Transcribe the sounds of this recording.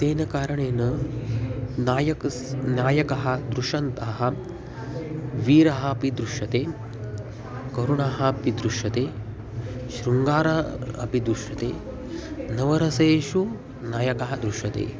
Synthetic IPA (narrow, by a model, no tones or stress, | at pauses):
t̪eːnɐkaːɾɐɳeːnɐ | naːjɐ | njaːjɐkɐɦɐ̆d̪ɾuʃɐnt̪ɐaɦɐ | ʋiːɾɐɦɐɐpid̪ɾuʃɐt̪eː | kɐɾuɳaːɦɐɐpid̪ɾuʃɐt̪eː | ʃɾuŋɡaːɾɐɐ̰pid̪ɾuʃjɐt̪ḛː | nɐʋɐɾɐsɐeːʃu | naːjɐkɐɦɐd̪ɾuʃɐt̪ḛː